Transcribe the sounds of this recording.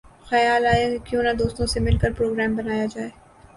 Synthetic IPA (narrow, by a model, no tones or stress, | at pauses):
xɐjaːlaːekjõːnad̪oːst̪õsemɪlkəɾpɾoːɡɾɛːmbɐnaːjad͡ʒaːeː